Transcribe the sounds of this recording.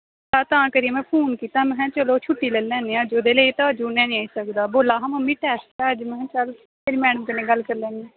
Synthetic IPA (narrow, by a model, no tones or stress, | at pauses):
t̪aːt̪ãːkəɾimɛ̃ːpʰoːnkiːt̪aːmɛ̃ɦɛ̃ːt͡ʃəloːt͡ʃʰʊʈːiːleːlɛ̃ːnd̪eːãːd͡ʒoːd̪eːləiːt̪ad͡ʒuːnɛ̃ːnĩaːisəkd̪aːboːlaːɦaməmĩːʈɛːsʈɛːəd͡ʒmɛ̃ɦɛ̃ːt͡ʃal | pʰeɾiːmɛːɖəmkəneːɡəlkəɾlɛ̃ːnɡiː